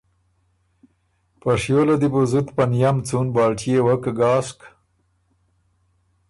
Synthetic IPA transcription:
paʂjolad̪ibuzut̪panjamt͡sunbɑːlʈijewakɡɑːsk

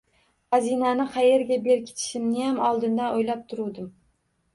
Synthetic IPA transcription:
hazinanɪqʰɑje̞ɾɡʲabe̞ɾkʲʰɪ̥t̪ʰɪ̥ʃɪmnɪjamɒlˠd̪ɪnd̪aojlap̚t̪ʰʊɾud̪ɪm

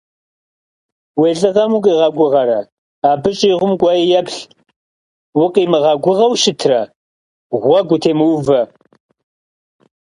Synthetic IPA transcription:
weːɮʼɨʁɐmukʼiːʁɐɡʷʊʁɐɾɐ | aːbɨɕʼiːʁʷʊmɡʷɑjijɛpɬ | wʊqʼiːmɨʁɐɡʷʊʁɐwʃɪtʰrɐ | ʁʷɐɡʷʊtʰeːmɨwvɐ

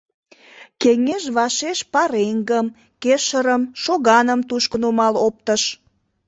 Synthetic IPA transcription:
keŋeʒβɑʃeʃpɑɾeŋɡəm | keʃəɾəmʃoɣɑnəmt̪uʃkənumɑlop̚t̪əʃ

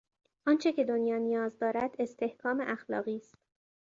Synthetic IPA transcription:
ʔɒːnt͡ʃʰe̞cʰe̞d̪onjɒːnijɒːzd̪ɒːɾæd̪̥e̞st̪ʰe̞hkʰɒːmeʔæxlɒ̰ːɣiːst̪

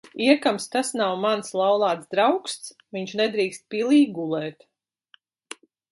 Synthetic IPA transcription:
iɛkamst̪asnawmanslˠawlˠɑːt̪sd̪ɾawkst̪s | viɲt͡ʃnɛd̪ɾiːkst̪̚pʲilˠiːɡulˠɛːt̪

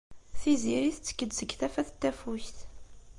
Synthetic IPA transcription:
θiziɾiθt͡sːə̥kːəd̪səɡθæfæθət̪ːæfuçθ

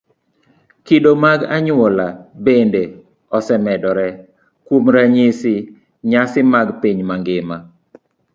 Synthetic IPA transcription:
kidomaɡaɲɔlabende | ɔsɛmɛdɔɾɛ | kwomɾaɲisɪ | ɲasɪmaɡpiɲmaŋɡɪma

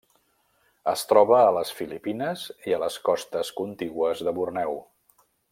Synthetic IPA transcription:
əst̪ɾɔβəːləsfilipinəziələskɔst̪əskunt̪iɣwəzðəβurnɛw

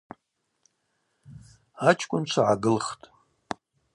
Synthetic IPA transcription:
at͡ʃʰʼkʷʼʊnt͡ʃʷʰaʕaɡɨlχtʼ

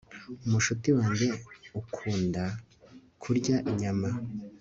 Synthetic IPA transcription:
umuʃutiwaːɲɟe̞ukʰuːnda | kʰuɾɟaʔiɲama

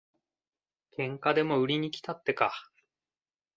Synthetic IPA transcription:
kẽ̞ŋkad̪e̞mo̞ɯ̟ɾʲiɲ̟ikʲi̥t̪at̪ːe̞ka

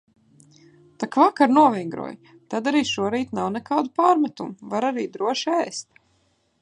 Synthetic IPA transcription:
t̪akvakaɾnuɔvʲiŋɡɾṵɔj | t̪ad̪aɾiːʃuɔɾiːt̪nawnɛkaːd̪upaːɾmat̪umuvaɾaɾiːd̪ɾuɔʃiɛjst̪̚

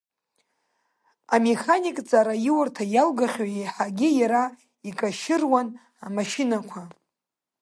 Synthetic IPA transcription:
ameχanikʼt͡sʼaɾajiwartʰajalɡaχʲajejħaɡʲɪjaɾa | ikʼaʃɪrwan | amaʃinakʷʰa

